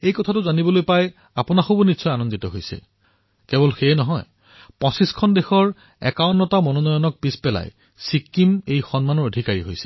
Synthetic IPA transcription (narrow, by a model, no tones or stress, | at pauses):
ejkɔtʰatʊzanibɔlojpaj | apʊnaxobunitsʰɔjanɔnditɔɦojsɛ̰ | kɛbɔlxeɛnɔɦɔj | pɔ̃siskʰɔndexɔɹ | ɛ̰kawnːɔtamɔnɔnɔjɔnɔk̚pispɛla̰j | sikːimejxɔnmanɔɹodʱikaɹḭɦo̰jsɛ̥